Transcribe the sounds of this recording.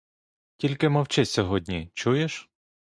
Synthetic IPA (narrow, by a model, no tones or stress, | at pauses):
tʲilʲkɪmɐwt͡ʃɪsʲɔɦɔdʲnʲit͡ʃujeʃ